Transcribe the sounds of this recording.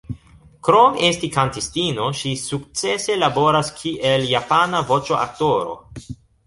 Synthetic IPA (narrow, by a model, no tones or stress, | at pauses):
kɾo̞mestikantistino̞ʃisuk̚t͡se̞se̞labo̞ɾaskʰiʔe̞ljapanavo̞t͡ʃoʔa̰k̚to̞ɾo̞̰